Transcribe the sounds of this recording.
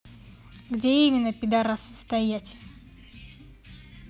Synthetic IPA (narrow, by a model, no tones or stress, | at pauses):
ɡdʲeimʲɪnːəpʲɪd̪aɾasə̥st̪ɐjætʲ